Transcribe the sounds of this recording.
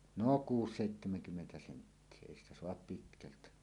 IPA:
noˑ kuːs seˑitːemeŋkymːentæ sentːie eˑi stæ soɑp pitkæltæ

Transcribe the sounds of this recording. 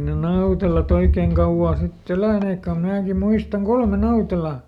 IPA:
ne nɑutelɑt oikeːŋ kɑuw̆ɑː sitː elæˑneːkːæ ko mnæːki muistɑŋ kolme nɑutelɑ

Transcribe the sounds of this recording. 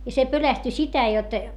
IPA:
jɑ se pølæsty sitæ jot

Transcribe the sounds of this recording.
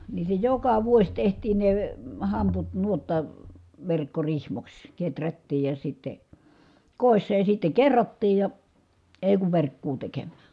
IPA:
niː se jokɑ ʋuos tehtiːn ne hɑmput nuotːɑ ʋerkːorihmoks ketrætːiːj jɑ sitːe koˑisːɑ jɑ sitːe kerːotːiːj jɑ eˑi̯ kuʋ ʋerkːuː tekemːæː

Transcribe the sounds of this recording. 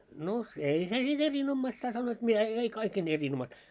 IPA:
no ei se niːn erinomːɑistɑ ɑ sɑnːoit mitæ e ei kɑikːein erinomːɑistɑ

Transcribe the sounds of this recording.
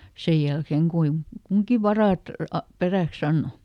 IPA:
sej jælkeːŋ kuiŋ kuŋki ʋɑrɑˑt ɑ peræˑks ɑnːo

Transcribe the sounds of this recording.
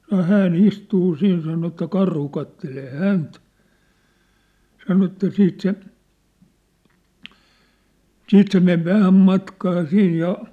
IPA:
sɑno hæːn istuː siːn sɑno etːæ kɑrhu kɑtːeleː hænt sɑno etːæ siːt se siːt se meʋ ʋæhæm mɑtkɑː siːj jɑ

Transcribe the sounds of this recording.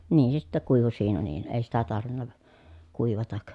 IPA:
niːn se sitːæ kuiʋu siːnæ niːn eˑi sitæ tɑrʋinːɑ kuiʋɑtɑk

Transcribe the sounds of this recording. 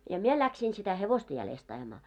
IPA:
jɑ mie læksiːn sitæ heʋostɑ jælest ɑj̆ɑ̆mɑː

